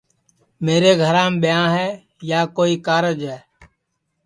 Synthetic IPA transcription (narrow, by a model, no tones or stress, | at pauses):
meːɾeːɡʱəɾãːmɓɪjãːɦɛː | jaːkoːiːkaːɾəd͡ʒɦɛː